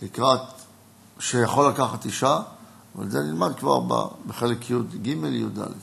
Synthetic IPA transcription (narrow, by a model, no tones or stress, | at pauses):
likʁat̪ | ʃejaχolːakaχat̪iʃa | va̰lzenilmad̪̚kva̰ʁba̰beχelekjud̪ɡimeljud̪a̰led